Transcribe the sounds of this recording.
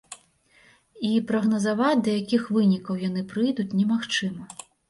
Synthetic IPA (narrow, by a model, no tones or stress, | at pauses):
ipɾɐɣnɐzavat͡sʲd̪ɐjakʲixvɨnʲikɐwjanɨpɾɨjd̪ut͡sʲnʲɛmaxt͡ʂɨmɐ